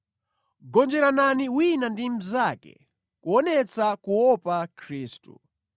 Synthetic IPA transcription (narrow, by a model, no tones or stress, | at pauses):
ɡɔnd͡ʒɛɾananiwinandim̩zakɛ̰ | kuɔnɛt͡sakuwɔpakʰɾiːstu